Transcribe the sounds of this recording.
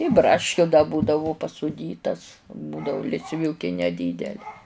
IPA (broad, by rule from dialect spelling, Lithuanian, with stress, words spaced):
ɪ ˈbrɑːʃʲkʲʊ dɐ ˈbuːdɐʋʊ pɐsʊˈdʲiːtɐs ˈbuːdɐʋʊ lʲɪsʲˈʋʲuːkʲɪ nʲɛˈdʲiːdʲɛlʲɪ